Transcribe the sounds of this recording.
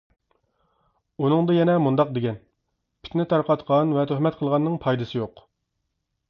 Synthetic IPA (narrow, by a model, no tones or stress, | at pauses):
unɨŋd̪ɨjɛnɛmund̪ɑq̚d̪eɡʲɛn | pʰɪ̥t̪nɪt̪ʰɑɾqɑt̪qʰɑnvɛt̪ʰøhmɛt̪̚qʰəlˠʁɑnːɨŋpʰɑjd̪ɨsɨjoq